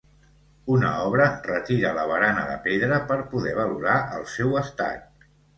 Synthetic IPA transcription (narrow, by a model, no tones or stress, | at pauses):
unə̰ɔβɾərət̪iɾələβ̞əɾanəðə̰peðɾəpəɾpuðɛβ̞əluɾaʔəlˠsɛwəst̪a̰k̚